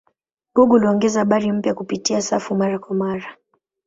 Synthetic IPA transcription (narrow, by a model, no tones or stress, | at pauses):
ɡɔɡuliɔŋɡɛzahaɓaɾim̩pjakupitiasafumaɾakwamaɾa